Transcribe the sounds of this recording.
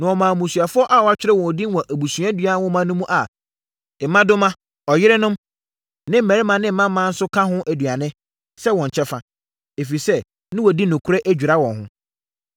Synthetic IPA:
nã˨ɔ˨mãː˨mũ˨su˨a˨fʊ˦ɔ˦ʔa˦˨wɔ˨a˨˦t͡ɕᶣɪ˦ɾɛ˦wɔ̃˨di˦n˦wɔ̃˨ʔæ˨bu˨sũ˨˦ã˦dɥa˦wɔ̃˦mã˨˦nʊ̃˦mũ˦ʔa˨ | ɛ˨mã˦dʊ˦mã˦ | ɔ˨jɪ˦ɾɪ˦nʊ̃˦m | nɪ̃˦m̩˦˨mæ̃˨ɾɪ˦mã˨nɪ̃˦m̩˦mã˦mã˦n̩˦sʊ˦kʰã˦ɦʊ̃˦ʔæ˨dɥa˨nɪ̃˦ | sɛ˦wɔ̃˨ɲ̩˨t͡ɕʰɛ˦fa˨ | e˨fi˨sɛ˦ | nɪ̃˦wɔ˨di˦nʊ̃˨kʰu˦ɾɛ˦ʔæ˦d͡ʑᶣu˨ɾa˦wɔ̃˨nɦʊ̰̃˦

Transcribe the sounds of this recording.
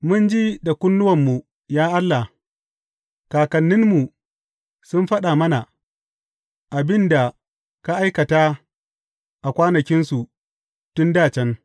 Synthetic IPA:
mʊ˦nd͡ʒi˦da˨kʷʊ˦nːʊ˦wɐ˨mːu˨ | jaː˦ʔa˦lːa˨h | kaː˨kɐ˨nːɪ˦nmu˨ | sʊ˦mɸɐ˦ɗa˨mɐ˦na˨ | ʔa˨bɪ˦nda˨ | ka˦ʔa˦jkɐ˨ta˦ | ʔa˨kʷaː˦nɐ˨kʲɪ˦nsu˨ | tʊ˦ndaː˦˨t͡ʃɛ˦n

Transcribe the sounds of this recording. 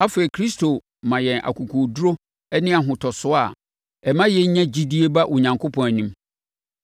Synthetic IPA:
a˦fe˨i˨kʰɾi˦stʰo˨ | mã˨jɛ̃˨nʔa̰˨kʰu˨kʰu˨du˦ɾo˦ | ɛ˦nɪ̃˦a˨ɦʊ̃˨tʰɔ˨sʊ˦a˨ | ɛ˨mã˦jɛ˦ɲã˦d͡ʑi˦di˦e˦ba˦ʔʊ˨ɲã˨ŋkʰo˦pʰɔ̃˨n˨nĩ˦m

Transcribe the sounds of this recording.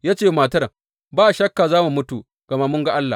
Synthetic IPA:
jaː˦t͡ʃeː˦˨maː˨tɐ˦ɾ | baː˦ʔʃɐ˦kːaː˨zaː˦mu˨mʊ˦tu˨ | ɡ̥ɐ˨ma˦mʊ˦ŋɡa˦ʔa˦lːa̰˨

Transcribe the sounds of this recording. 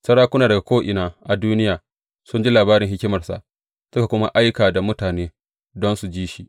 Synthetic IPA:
sɐ˦ɽaː˦kʷʊ˦naː˨dɐ˨ɡa˨kʷoː˦ʔɪ˨naː˨ʔa˨duː˦nɪ˦jaː˨ | sʊ˦nd͡ʒi˦laː˨baː˦ɾɪ˨ŋhɪ˦kʲɪ˦mɐ˨rsa̰˨ʔ | sʊ˦ka˨kʷʊ˦ma̰˦ʔa˦jkaː˨da˨mʊ˦taː˨neː˦ | dɔ˦nsu˨d͡ʒiː˦ʃi˦ʔ

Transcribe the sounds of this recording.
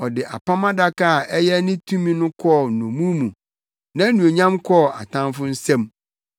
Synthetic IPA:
ɔ˨dɪ˨ʔa̰˨pʰã˦mã˦da˦ka˦˨ʔɛ˦jɛ˦nɪ̃˦tʰũ˦mĩ˦nʊ̃˦kʰɔ˦˨nɔ̃˨mũ˦mũ˨ | nã˦nũ˨o˨ɲã˦mkʰɔ˦˨a˨tʰã˦nfʊ˦n̩˦sɛ̃˦m

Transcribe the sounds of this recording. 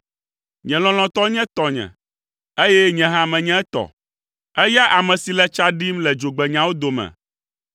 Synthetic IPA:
ɲɛ̃˨lɔ̃˨l̃ɔ̃˨t̪ɔ˦ɲɛ̃˦t̪ɔ˨ɲɛ̰̃˨ | e˦jɛ˦ɲɛ̃˨ɦã˦mɛ̃˨ɲɛ̃˦ɛ˦t̪ɔ̰˨ | ɛ˦ja˦ʔa˨mɛ̃˨si˨lɛ˦t͡ʃa˦ɖi˦mlɛ˨d͡ʒo˨ɡ͡bɛ˨ɲã˨wo˦d̪o˨mɛ̰̃˨

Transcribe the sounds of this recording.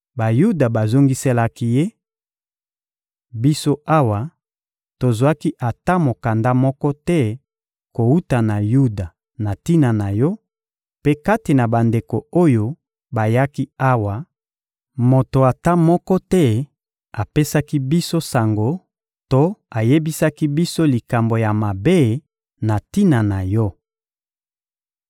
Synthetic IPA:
ba˨ju˦da˨ba˨zo˦ŋɡi˦se˦la˦ki˦je˦ | bi˦so˦ʔa˦wa˨ | to˨zwa˦ki˦ʔa˨ta˦mo˨ka˨nda˦mɔ˦kɔ˦tɛ˦ | ko˨u˦ta˨na˨ju˦da˨ | na˨ti˦na˨na˨jɔ˦ | pe˦ka˦ti˨na˨ba˨nde˨ko˨o˦jo˦ | ba˨ja˦ki˦a˦wa˨ | mo˨to˨a˨ta˦mɔ˦kɔ˦tɛ˦ | a˨pe˦sa˦ki˦bi˦so˦sa˨ŋɡo˦ | to˦a˨je˦bi˦sa˦ki˦bi˦so˦li˨ka˨mbo˨ja˨ma˨be˦ | na˨ti˦na˨na˨jɔ˦

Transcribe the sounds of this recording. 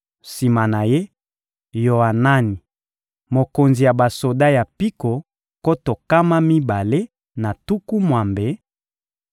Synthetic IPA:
si˨ma˨na˨je˦ | jo˨a˨na˦ni˨ | mo˨ko˨nzi˨ja˨ba˨so˨da˦ja˨pi˦ko˨ | ko˦to˨ka˦ma˦mi˦ba˨le˦ | na˨tu˦ku˦mwa˨mbe˨˦

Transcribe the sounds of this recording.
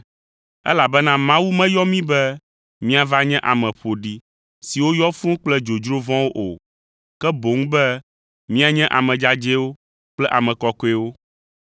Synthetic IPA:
ɛ̰˦la˨bɛ˦nã˦mã˦wu˦mɛ̃˦jɔ˦mĩ˦bɛ˦ | mĩ˦a˨va˦ɲɛ̃˦ʔa˨mɛ̃˨ɸo˨ɖi˦ | si˨wo˦jɔ˦fũ˦k͡plɛ˦d͡ʒo˨d͡ʒɾo˦vɔ̃˦wo˦ʔo˨ | kɛ˦bo˨˦ŋ̩˦bɛ˦ | mĩ˦a˨ɲɛ̃˦ʔa̰˨mɛ̃˨d͡ʒa˦d͡ʒɛ˦wo˦ | k͡plɛ˦ʔa˨mɛ̃˨kɔ˨kɔ˦ɛ˦wo˦

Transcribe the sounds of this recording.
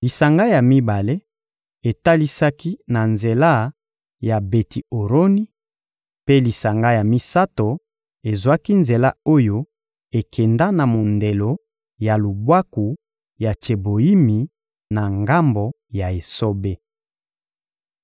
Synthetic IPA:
li˨sa˨ŋɡa˦ja˨mi˦ba˨le˦ | e˨ta˦li˦sa˦ki˦na˨nze˨la˦ | ja˨be˨ti˨o˨ɾo˦ni˦ | pe˦li˨sa˨ŋɡa˦ja˨mi˦sa˦to˨ | e˨zwa˦ki˦nze˨la˦o˦jo˦ | e˨kʰɛ˨nda˦na˨mo˨nde˨lo˨ | ja˨lu˨bwa˦ku˨ | ja˨t͡ʃe˨bo˨i˦mi˨ | na˨ŋɡa˦mbo˨ | ja˨e˨so˦be˦

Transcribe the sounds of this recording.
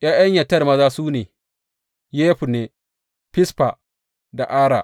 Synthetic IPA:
jaː˦ja˦ɲjɐ˨tɐ˦˨rmɐ˦zaː˦suː˦neː˨ | jeː˦ɸu˨neː˨ | pɪ˦spa˨ | da˨ʔaː˦ɾa̰˨ʔ

